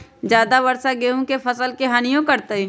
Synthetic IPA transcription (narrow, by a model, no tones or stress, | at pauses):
d͡ʒjaːd̪aʋɐɾsaɡeːũkefʰɐsəlkeɦaːnijõkɐɾt̪ei